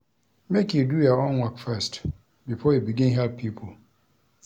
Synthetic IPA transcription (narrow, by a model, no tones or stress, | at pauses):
mɛkjudujaɔ̃nwɔkfɛst | bifɔjubiɡĩnɦɛlppʰipʰol̩